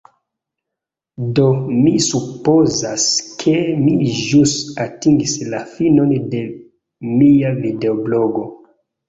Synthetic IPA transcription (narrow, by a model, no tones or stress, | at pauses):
do̞misupo̞zaskʰe̞miʒusatiŋɡislafino̞nde̞ | miavide̞obloɡo̞